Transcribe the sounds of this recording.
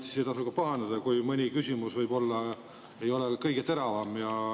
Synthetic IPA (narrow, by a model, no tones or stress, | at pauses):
si̥sejt̪ɑsukɑpɑɦɑnd̪ɑd̪̥ɑkujmɯnʲikysʲimusvɤjbo̞lːɑ | e̞jo̞lekɤjɡ̥e̞t̪e̞ɾɑvɑmjɑ